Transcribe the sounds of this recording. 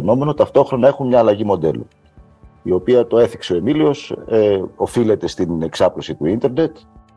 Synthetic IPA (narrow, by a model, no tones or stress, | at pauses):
no̞me̞not̪ɐft̪o̞xɾo̞nɐe̞xunɲɐːlɐʝimo̞d̪e̞̰lṵ | io̞piɐt̪o̞e̞θikse̞o̞e̞milio̞seo̞file̞t̪e̞st̪ine̞ksɐplosit̪uint̪e̞ɾne̞t̪